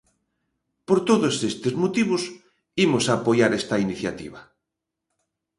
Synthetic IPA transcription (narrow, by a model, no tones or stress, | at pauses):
poɾt̪oðosest̪ezmot̪iβ̞os | imosaːpojaɾest̪ainiθjat̪ḭβa